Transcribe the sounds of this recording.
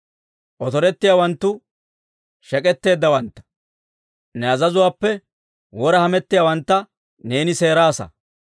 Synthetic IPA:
ʔɔt̪ɔɾɛt̪ːɪjaːwɐnt̪ːʊ | ʃɛkʼɛt̪ːe̞ːd̪ːɐwɐnt̪ːɐ̥ | nɛɐzɐzʊwaːpːɛ | wɔɾɐhɐmɛt̪ːɪjaːwɐnt̪ːɐ | ne̞ːnɪse̞ːɾaːsɐ̰

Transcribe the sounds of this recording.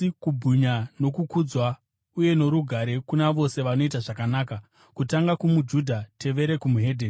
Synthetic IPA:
kubʱuɲano̞kukud͡zwa | uje̞no̞ɾuɡʱaɾe̞kunaʋo̞se̞ʋano̞itaʐakanaːka | kutaŋɡakumud͡ʒudʱate̞ʋe̞ɾe̞kumuɦe̞dʱeːn

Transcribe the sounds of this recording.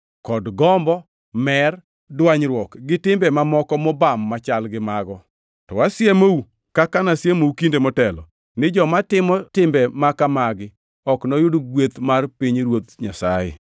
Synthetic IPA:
kɔdɡɔmbɔ | mɛr | dwaɲɾwɔkɡɪtɪmbɛmamɔkɔmɔbamːat͡ʃalɡɪmaɡɔ | tɔ̰wasjemou | kakanasjemoukindemɔtɛlɔ | nɪd͡ʒɔmatɪmɔtɪmbɛmakamaɡɪ | ɔknɔjʊdɡwet̪marpiɲɾwot̪ɲasa̰jɛ̰

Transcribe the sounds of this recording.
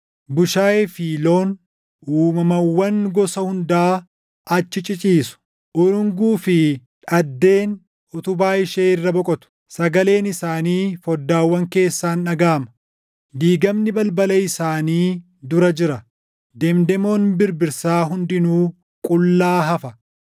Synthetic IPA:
bʊʃaːefiːlo̞ːn | uːmɐmɐwːɐŋɡɔsɐhʊnd̪aː | ɐt͡ʃːɪt͡ʃʼɪt͡ʃʼiːsʊ̥ | ʔʊɾʊŋɡuːfɪᶑɐd̪ːe̞ːn | ʔʊt̪ʊbaːɪʃeːɪrːɐbɔkʼɔt̪ʊ̥ | sɐɡɐle̞ːnɪsaːniːfɔd̪ːaːwːɐŋke̞ːsːaːnɐɡaːmɐ̥ | d̪iːɡɐmnɪbɐlbɐlɐɪsaːniː | d̪ʊɾɐd͡ʒɪɾɐ | d̪ɛmd̪ɛmo̞ːnbɪɾbɪɾsaːɦʊnd̪ɪnuː | kʼʊlːaːɦɐfɐ

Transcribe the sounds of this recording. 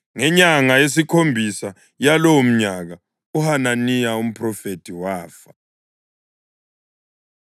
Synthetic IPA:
ŋɛɲaŋajes̬ikʰombʱisa | jalowm̩ɲaɣ̬a | uhananijaum̩pʰʼrɔfetʰiwaːfa

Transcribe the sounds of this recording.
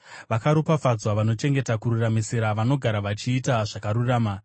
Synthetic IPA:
ʋakaɾopafad͡zwaʋano̞t͡ʃe̞ŋɡe̞takuɾuramisiɾaʋano̞ɡʱaɾaʋat͡ʃiːtaʐakaɾuraːma

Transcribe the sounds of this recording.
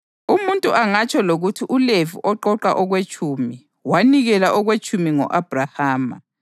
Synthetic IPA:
umuntʼuʔaŋat͡ʃʰʼɔloɣutʰiʔuleviʔɔǃɔǃaʔɔɣwet͡ʃʼumi | waniɣɛlaʔɔɣwet͡ʃʼumiŋɔ̰ʔab̥ʱrahaːma̰

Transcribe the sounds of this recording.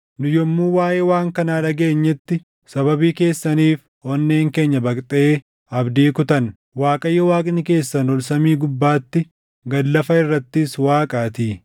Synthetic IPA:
nʊjɔmːuːwaːʔeːwaːŋkɐnaːᶑɐɡe̞ːɲːɛt̪ːɪ | sɐbɐbiːke̞ːsːɐniːf | hɔnːe̞ːŋke̞ːɲːɐbɐkʼt̪ʼeː | ɐbd̪iːkʊt̪ɐn | waːkʼɐjːɐwaːkʼɪnɪke̞ːsːɐnɔlsɐmiːɡʊbːaːt̪ːɪ | ɡɐlːɐfɐɪrːɐt̪ːɪswaːkʼaːt̪iː

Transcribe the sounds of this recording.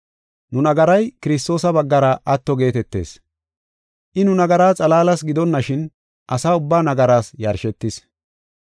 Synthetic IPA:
nʊnɐɡɐɾɐjkɪɾɪs̬t̪o̞ːsɐbɐɡːɐɾɐʔɐt̪ːɔɡe̞ːt̪ɛt̪ːḛːs | ʔɪnʊnɐɡɐɾaːt͡sʼɐlaːlɐsɡɪd̪ɔnːɐʃɪn | ʔɐsaːʊbːaːnɐɡɐɾaːsjɐɾʃɛt̪ːɪs

